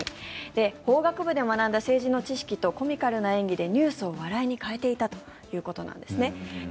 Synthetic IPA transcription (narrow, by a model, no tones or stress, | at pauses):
id̪̥e̞ho̞ːɡakɯ̟bɯ̟d̪e̞manãnd̪ase̞ːʑino̞t͡ɕiɕi̥kʲit̪o̞ko̞mʲikaɾɯ̟naẽ̞ŋɡʲid̪e̞ɲ̟ɨːsɨo̞βaɾaiɲ̟ikae̞t̪e̞it̪at̪o̞ | jɯ̟ːko̞t̪o̞nã̰nd̪̥e̞sɨne̞